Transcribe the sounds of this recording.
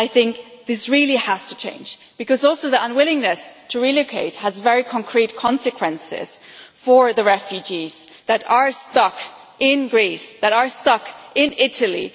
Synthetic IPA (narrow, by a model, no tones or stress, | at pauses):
aɪθɪ̃ŋk̚ðɪsɹilˠihæstʰɨ̥t͡ʃʰḛ̃ɪ̃nd͡ʒ | b̥ɨkʌzɔlˠsoʊðiʌ̃nwɪlˠɪ̃ŋnɨstʰɨɹiloʊkʰeɪt̚həzvɛɹikʰə̃nkʰɹ̥it̚kʰɑ̃nsɨkʰw̥ɛ̃nsɪ̰z̥fə˞ðɨɹɛfjʉd͡ʒiz̥ | ðɨɾə˞stʌk | ʔɪ̃nɡɹisðɨɾə˞stʌkɪ̃nɪɾəl̩ˠḭ